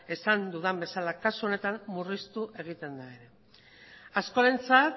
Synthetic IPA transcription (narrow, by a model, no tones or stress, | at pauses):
e̞sand̪uðambe̞salakasuo̞ne̞t̪ammurist̪uʔe̞ɣ̞it̪e̞nd̪ae̞ɾe̞ | asko̞aɾe̞nt͡sat̪